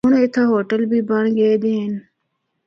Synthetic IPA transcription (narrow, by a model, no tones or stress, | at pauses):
unɪt̪ʰaːɦoːʈəlbiːbɐɳɡeːd̪en